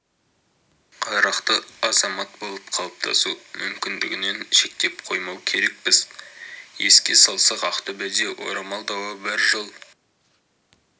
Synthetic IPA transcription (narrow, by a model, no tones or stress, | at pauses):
qʰɑɾɑqt̪əɑzɑmɑt̪̚bo̞lˠəp̚qʰɑlˠəp̚t̪ʰɑ̰sumʏmkʲɪnd̪ɪɡʲɪne̞nʃe̞k̚t̪e̞p̚qʰo̞jmɑwkʲʰe̞ɾe̞k̚pɪz̥ | je̞̰skʲe̞̰sɑlˠsɑqɑqt̪əbæd̪ewʔo̞̰ɾɑmɑlˠd̪ɑwəbɪɾʒəlˠ